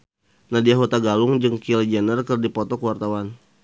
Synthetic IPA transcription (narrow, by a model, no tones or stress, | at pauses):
nadiaɦot̪aɡalʊŋd͡ʒɨŋkilɛd͡ʒanərkərdipɔt̪ɔkəwart̪awan